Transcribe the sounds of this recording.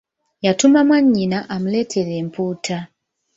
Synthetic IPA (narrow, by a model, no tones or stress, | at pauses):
jatumamwaɲinaʔamuletʰeɾem̩puːtʰa